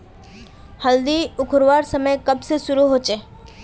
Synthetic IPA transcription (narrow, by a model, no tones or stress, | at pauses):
həld̪iʊkʰɾʋaːɾsəməjkɐbsesʊɾuɦoːt͡ʃeː